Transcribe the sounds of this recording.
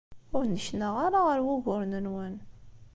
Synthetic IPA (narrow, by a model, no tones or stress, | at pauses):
ʊɾnəʃnaʁaɾaʁəɾwʊʝʊɾnənwæn